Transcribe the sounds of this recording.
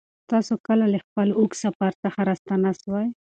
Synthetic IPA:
t̪ɑsokəlaləxpəluksapaɾt̪axaɾast̪anaʃwaj

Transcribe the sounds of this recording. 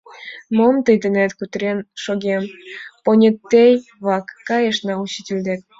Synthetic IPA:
momt̪əjd̪enet̪kut̪ɾenʃoɣemponʲet̪ːejβɑkːɑjeʃnɑuɕitʲilʲd̪ek̚

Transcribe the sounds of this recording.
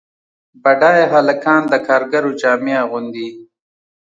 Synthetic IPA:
baɖaːjɦalakɑːnd̪əkʰɑːɾɡaɾod͡ʒɑːmeaɣʊnd̪i

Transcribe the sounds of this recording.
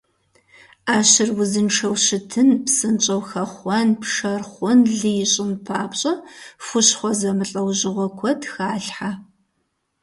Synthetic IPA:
aːɕɪrwʊzɨnʈ͡ʂʰɐwɕɪtʰɨnpsɨnt͡ʃʼɐwxɐχʷɔnpʂɐrχʷʊnɮɨjɪɕʼɪnpʰaːpɕʼɐfʷʊɕχʷɔzɐmɨɬʼɐwʑɪʁʷɔkʷʰɔtxaːɬħa

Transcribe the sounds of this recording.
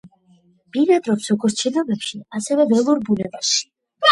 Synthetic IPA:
b̥iɾad̪ʼɾɔpsɔɡɔɾt͡ʃʰilɔbɛpʃiasɛvɛbɛlˠuɾbunɛbaʃi̥

